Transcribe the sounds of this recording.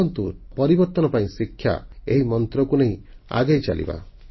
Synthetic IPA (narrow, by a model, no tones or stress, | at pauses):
ɔnt̪upɔɾibɔɾt̪ɔnɔpaĩsikʰːja̰eɦimɔnt̪ɾɔkuneɦĩa̰ɡejt͡ʃa̰lḭba̰